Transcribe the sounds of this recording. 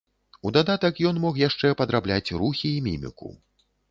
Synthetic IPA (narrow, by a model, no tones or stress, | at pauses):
ud̪ad̪at̪ɐkjɔnmɔxjaʂt͡ʂɛpɐd̪ɾablʲat͡sʲruxʲiːmʲḭmʲḭkṵ